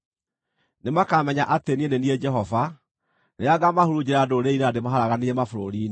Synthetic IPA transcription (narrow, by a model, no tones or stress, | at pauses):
nemakamɛɲaʔatenieneniɛd͡ʒɛɦɔva | nejaɡamahoɾud͡ʑeɾadoɾeiɾademaɦaɾaɣaniemafoɾoɾiːn